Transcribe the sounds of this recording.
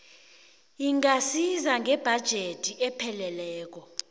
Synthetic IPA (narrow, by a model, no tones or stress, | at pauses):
iŋasizaŋʱɛb̥ʱad̥ʒ̥ʱetʰʼiɛpʰɛlɛlɛːk̬ɔ